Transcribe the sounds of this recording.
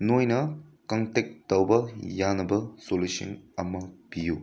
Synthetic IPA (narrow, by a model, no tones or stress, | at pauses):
nojnɐkɐŋtek̚tɐwbɐjanɐbɐsolusḭnɐmːɐpiju